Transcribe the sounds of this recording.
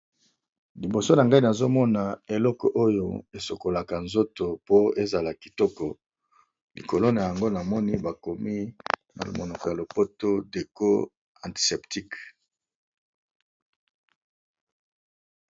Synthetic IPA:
li˨bo˨so˦na˨ŋɡa˦i˦na˨zo˦mɔ˦na˨e˨lɔ˦kɔ˨ʔo˦jo˨e˨so˨ko˨la˨ka˨nzo˦to˨po˦e˦za˨la˨ki˨tɔ˦kɔ˨ | lḭ˨ko˨lo˦na˨ja˨ŋɡo˦na˨mɔ˦ni˦ba˨ko˨mi˦na̰˨mo˨nɔ˨kɔ˨ja˨lo˨po˦to˦de˨ko˦ | a̰˨nti̥˨se˨ptʰi˦k

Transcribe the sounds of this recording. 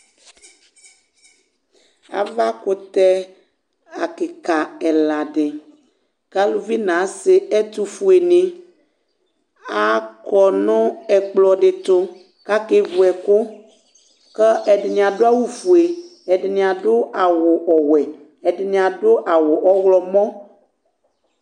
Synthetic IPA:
a̰˨va˦ko˦t̪ɛ˦ | a˨ke˨ka˨ɛ˨la˨ɖɪ˨ | ka˦lu˨vi˦nã˨˦se˨ɛ˦t̪u˦fu˨e˨nĩ˨ | a˦kɔ˨nʊ̃˦ɛ˨k͡plɔ˨ɖɪ˨t̪ʊ˦ | ka˦ke˦vu˨ɛ˨kʊ˦ | kɛ˦ʔɛ˨ɖɪ˨nĩ˨a˨dʊ˦a˦wu˦fu˨e˨ɛ˨ɖɪ˨nĩ˨ã˨ɖʊ˦ʔa˨wʊ˨ʔɔ˨wɛ˨ | ɛ˨ɖɪ˨nĩ˨ã˨ɖʊ˦ʔa˨wʊ˨ʔɔ˦ɣlɔ˨mɔ̃˦

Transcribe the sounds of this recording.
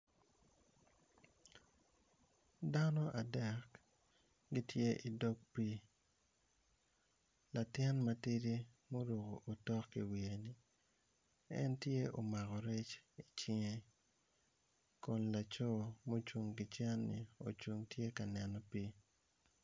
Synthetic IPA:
da˦nɔ˦ʔa˨dɛ˨k | ɡi˦tje˦ʔi˨do˦ɡ̚pi˦ | la˨tɪ˦nma˦te˦di˦mo˦ɾo˨ko˨ʔo˨tɔ˦kːi˨wi˨e˨ni˨ | ɛ̰˦ntje˦ʔo˨ma˨kɔ˨ɾɪ˦t͡ʃi˨t͡ʃɪ˦ŋe˦ | ko˨nla˨t͡ʃo˦mo˦t͡ʃu˨ŋɡɪ˨t͡ʃɛ˦nːḭ˨o̰˨t͡ʃu˨ŋtje˦ka˨nɛ˨nɔ˨pi˦

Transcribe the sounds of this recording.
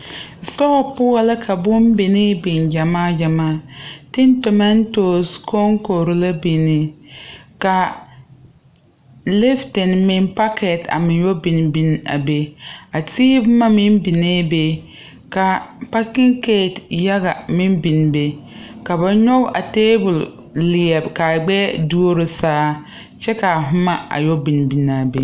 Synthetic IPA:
sɔ˦ɔ˨pʊ˦a˨la˦kʰa˨bʊ˦mbɪ˨nɪ˦bɪ˨nd͡ʒa˨maː˦d͡ʒa˨maː˦˨tɪ˦nto˨mɛ˦nto˨sko˦ŋko˨ɾʊ˨la˦bi˨nɪ˨ | ka˨ | lɪ˦ftɪ˨nmɪ˦npa˦ke˨ta̰˨mɪ˨n˦jɔ˦bi˨n˨bi˨n˨a̰˨be˨a˨tiː˦bma˦mɪ˦m˦bi˨ne˦be˦ | ka˨pa˦kɪ˦ŋke˦˨tja˦ɣa˨mɪ˦mbi˨n˨be˨ | ka˨ba˨ɲɔ˦a̰˨teː˦bʊ˨l | lɪ˨ɛ˨bka˨ɡ͡bɛ˦du˦o˦ɾɪ˨saː˦ | t͡ʃɛ˦ka˨ɦʊ˦ma˦ʔa̰˨jɔ˦bi˨n˨bi˨na˨be˦

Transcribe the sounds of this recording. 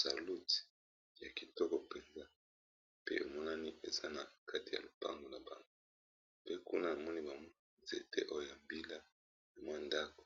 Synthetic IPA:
sa˨lu˦ti̥˨ | ja˨ki˨tɔ˦kɔ˨pɛ˨nza˦ | pe˦ʔe˨mɔ˦na˦ni˦ʔe˨za˦na˨kʰa˦ti˨ja̰˨lo˨pa̰˦ŋɡo˨la˨ba̰˨ŋo˦ | pe˦ku˦na˦na˨mɔ˦ni˦ba˨mu˦ | zḛ˨tḛ˦ʔo˦jo˨ja˨mbi˦la˦ | na˨mwa˦nda˦ko̥˨

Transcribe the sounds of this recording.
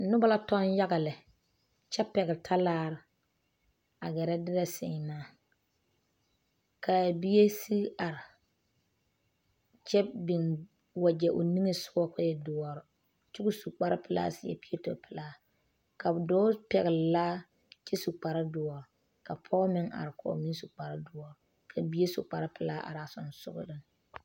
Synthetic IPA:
nʊ˦ba˦la˦tɔ˦nja˦ɡa˨lɪ˨ | t͡ʃɛ˦pɛ˨ɣɪ˨tʰa˦laː˦ɾɪ˨ | a˨ɡɛ˨ɾɛ˦dɪ˦ɾɛ˦sɪ̰˨maː˦ | kʰa˨bi˦je˦si˦a˨ɾɪ˨ | t͡ʃɛ˦bi˨ŋ | wa˨d͡ʒɛ˨ʔo˨ni˦ŋe˦sʊ̥˦ɔ˦ka˦jɛ˨dʊ˨ɔ˨ɾʊ˨ | t͡ʃʊ˦ɡʊ˦su˨k͡pa˦ɾɪ˦pɪ˦la̰ː˦sɪ˨jɛ̰˨pi˦e˦to̰˨pʰɪ˨˦laː˦ | ka˨bʊ˨dɔː˦pɛ˨ɣɪ˨laː˦ | t͡ʃɛ˦su˨k͡pa˨ɾɪ˦dʊ˨ɔ˨ɾ | ka˨pʰɔ˦mɪ˦ŋa̰˨ɾɪ˨kʰɔ̰ː˨mi˦n˦su˨k͡pa˨ɾɪ˦dʊ˨ɔ˨ɾ | kʰa˨bi˦e˦sʊ̰˨k͡pa˨ɾɪ˦pɪ˨laː˦ʔa̰˨ɾa˨sʊ˨n˨sʊ̰˦ɡʊ̰˦lɨ˦ŋ

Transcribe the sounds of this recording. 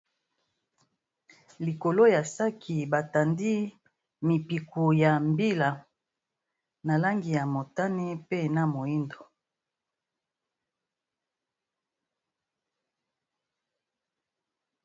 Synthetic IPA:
li˨ko˨lo˦ja˨sa˦kʰi˨ba˨ta˨ndi˦ | mi˨pi˨ku˨ja˨mbi˦la˨ | na˨la˦ŋɡi˨ja˨mo˨ta˦ni˦pe˦na˨mo˨i˦ndo˨

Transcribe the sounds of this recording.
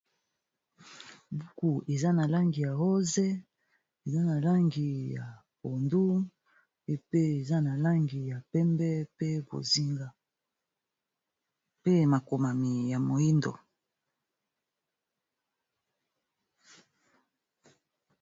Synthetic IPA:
bu˦ku˨e˨za˦na˨la˦ŋɡi˨ja˨ʁo˦ze˦ | e˨za˦na˨la˦ŋɡi˨ja˨ | po˨ndu˦ | e˨pe˦e˨za˦na˨la˦ŋɡi˨ja˨pɛ˦mbɛ˦pe˦bo̰˨zi˦ŋɡa˦ | pe˦ma˨ko˨ma˨mi˨ja˨mo˨i˦ndo̰˨

